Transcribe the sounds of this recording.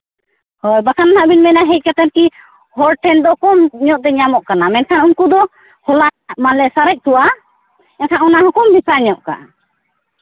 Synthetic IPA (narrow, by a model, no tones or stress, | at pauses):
hɔjbakanaɦaʔbinmɛnaɦɛc̚kat̪ɛnki | hɔɾʈʰɛnd̪ɔkɔmɲɔʔ̚t̪ɛɲamɔʔkanamɛnkʰanunkud̪ɔ | hɔlamalɛsaɾɛc̚t̪uwa | ɛnkʰanɔnahukumbipaɲɔʔka̰